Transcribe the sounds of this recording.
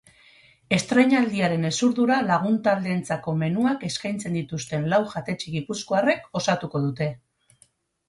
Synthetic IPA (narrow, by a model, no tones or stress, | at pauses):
e̞st̪ɾe̞ɲald̪iaɾe̞ne̞suɾðuɾalaɣ̞unt̪ald̪e̞ːnt͡sako̞me̞nuake̞skajnt͡se̞nd̪it̪ust̪e̞nlawʝat̪e̞t͡ʃiɣipusko̞are̞ko̞sat̪uko̞ð̞ut̪e̞